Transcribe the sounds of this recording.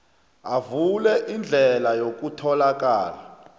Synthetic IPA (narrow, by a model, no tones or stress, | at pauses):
avulɛʔind͡ɮʱɛlajok̬ʼutʰɔlak̬ʼaːla